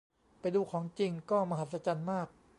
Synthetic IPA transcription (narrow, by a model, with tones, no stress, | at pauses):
pa˧jduː˧kʰɔː˩˦ŋt͡ɕi˧ŋkɔː˥˩ma˧ɦa˨˩t̪̚sa˧t͡ɕa˧nmaː˥˩k̚